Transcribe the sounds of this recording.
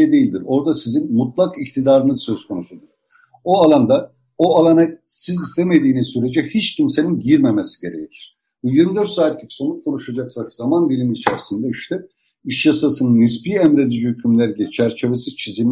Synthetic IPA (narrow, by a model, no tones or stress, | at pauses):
ejd̪e̞ilʲd̪iɾo̞ɾd̪asizinmut̪lˠakict̪ʰid̪aːɾɯnɯzsø̞zkʰo̞nusund̪uɾ̥ | oalˠand̪a | oalˠanasizist̪ʰe̞me̞d̪iːnizsyɾe̞d͡ʒɛhit͡ʃcʰimse̞ninɟiɾme̞mesi̥ɟe̞ɾe̞̰jec̪ʲʰi̥ɾ̥ | bujiɾmid̪ø̞ɾt̪saːt̪lʲicso̞nukʰo̞nuʃad͡ʒaksakzamanbilʲimːt͡ʃʰæ̰ɾsind̪ɛiʃt̪ɛ | iʃjasasɯnɯnːɯspiæmɾe̞d̪id͡ʒihycʰymlʲæɾilʲɛt͡ʃʰæɾt͡ʃʰe̞vesizt͡ʃʰizi